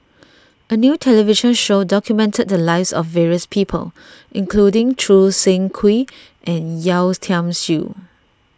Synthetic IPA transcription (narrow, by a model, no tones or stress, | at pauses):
ənjuːtʰɛliviʃə̃nʃodɔkʰjumɛ̃ntəd̚dəlaɪvsɔ̰fːɛɹiəspʰipʰə̰l | ʔĩŋkʰludɪ̃ŋtʰɹusẽŋkʰwi | ʔɛ̃njaʊstʰãmsṵ